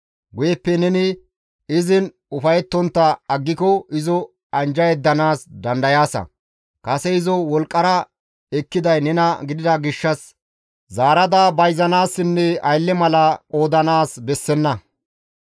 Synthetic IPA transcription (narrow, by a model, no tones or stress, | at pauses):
ɡʊjɛpːɛnɛnɪ | ɪzɪn | ʊfɐjɛt̪ːɔnt̪ːɐɐɡːɪkɔɪzɔ | ɐnd͡ʒɐjɛd̪ːɐnaːsd̪ɐnd̪ɐjaːsɐ̰ | kɐsɛɪzɔwɔlkʼːɐɾɐ | ɛkːɪd̪ɐjnɛnɐɡɪd̪ɪd̪ɐɡɪʃːɐs | zaːɾɐd̪abɐjzɐnaːsːɪnːɛɐjlːɛmɐlɐkʼo̞ːd̪ɐnaːsbɛsːɛnːɐ